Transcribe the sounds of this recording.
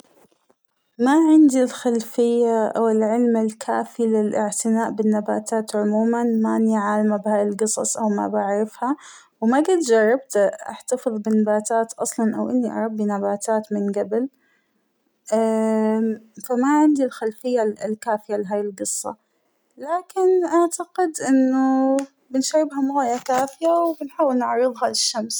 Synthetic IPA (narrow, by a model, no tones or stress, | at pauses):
maʕɪnd̪ilxalfɪjːaʔa̰wɪlʕɪlmɪlkʰaːfilɪlʔɪʕt̪ɪnaːʔbɪnːabaːt̪aːt̪ʕʊmuːmanmaʔanːiʕaːlmabhaːjɪlɡɨsˤɑ̰sˤʔawma̰baʕɾɑfha | wmaɡɪt̪d͡ʒɑrˤːɑb̚t̪ʔa̰ħt̪afɨðˤbɪnːabaːt̪aːt̪ʔɑsˤlɑnʔa̰wʔɪnːiʔɑ̰ɾˤɑbːinabaːt̪ʰaːt̪mɪnɡabɪl | a | famaʕɪnd̪ilxalfɪjːalkaːfɪjalɪɦaːjɪlɡɨsˤːɑ̰ | laːkɪnʔaʕt̪aqɪd̪ʔɪnːʊ | bɪnʃaɾːɪbɦamʊɣaːjːakaːfɪjawbɪnħaːwːɪlnaʕɾɨðˤhɑlɪʃːams